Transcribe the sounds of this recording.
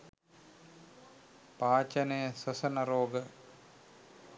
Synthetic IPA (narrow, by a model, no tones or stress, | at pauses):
paːt͡ʃɐnejəsɐsɐnɐɾoːɡə